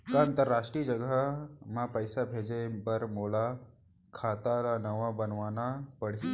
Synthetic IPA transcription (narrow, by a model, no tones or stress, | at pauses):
k̪aə̃nt̪əɾːaːʃʈɾid͡ʒɐɡəmãpəjsabʱeːd͡ʒebɐɾmoːla | kʰaːt̪alanɐʋabənʋaːnapəɽ̤i